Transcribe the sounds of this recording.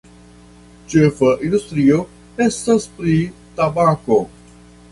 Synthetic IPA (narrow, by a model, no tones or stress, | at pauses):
t͡ʃefəʔind̪ust̪ɾiːo | ɛst̪ɐspɾit̪abako